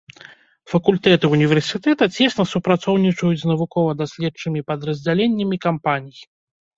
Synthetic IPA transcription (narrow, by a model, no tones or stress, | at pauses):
fɐkulʲt̪ɛt̪ɨunʲivʲɛrsʲit̪ɛt̪ɐt͡sʲɛsnɐsupɾat̪sɔwnʲit͡ʂɐjud͡zʲznɐvukɔvɐd̪asʲlʲɛtt͡ʂɨmʲipɐd̪ɾɐzʲd͡zʲalʲenʲːɐmʲikampanʲij